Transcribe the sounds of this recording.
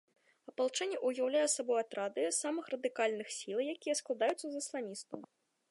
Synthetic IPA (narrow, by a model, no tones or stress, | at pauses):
ɐpɐlˠt͡ʂɛnʲːɛʔujawlʲajɛsabɔjat̪ɾad̪ɨjsamɨxrɐd̪ɨkalʲnɨxsʲilˠɐwjakʲijɐsklˠad̪ajut̪sɐzɐslˠanʲist̪ṵw